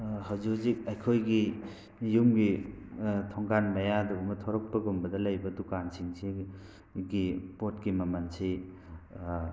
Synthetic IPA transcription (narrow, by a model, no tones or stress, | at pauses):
ɦawzuzik̚ajkʰojɡi | jumɡi | tʰɔŋkanmajad̪uumɐt̪ʰɔɾɔk̚paɡumbɐd̪alajbɐdukansʰiŋsʰi | ɡipotkimamansʰi